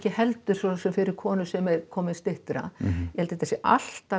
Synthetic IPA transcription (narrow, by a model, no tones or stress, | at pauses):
cɪhɛlt̪ʏɾ̥sɔlsʏmfɪɾɪɾ̥kʰɔːnʏsɛmɛɾkʰɔːmɪst̪ɪht̪ɾa̰jɛhɛlt̪ɪt̪ʰɛsjɛʔa̰l̥t̪a